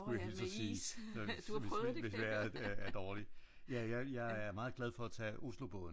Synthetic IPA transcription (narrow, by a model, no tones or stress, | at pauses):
ujæhelsɒsiːʋesd̥ʋeʋeseæd̥ɒːli | jæjɑ̈ɪjɑ̈ɪæɐmɑ̈ːð̞̩ˠɡ̥læð̞ˠfɒ̽æt͡sʰɛ̰ːʔuslob̥ɔ̽ðˠn